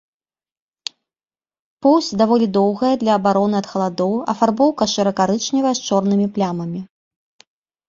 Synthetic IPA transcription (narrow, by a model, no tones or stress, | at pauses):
pɔwsʲd̪avɔlʲid̪ɔwɣɐjɐd̪lʲɐːbaɾɔnɨɐt̪xɐlˠad̪ɔwɐfarbɔwkɐʂɨɾɐkaɾɨt͡ʂnʲivɐjɛst͡ʂɔrnɨmʲiplʲamɐmʲi